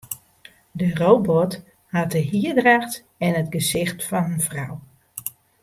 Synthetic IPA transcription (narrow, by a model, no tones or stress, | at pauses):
dərowbɔt | hat̚dəɦiədraxt | ɛnətɡəzɪxtfɔnɦənfrɔ̰w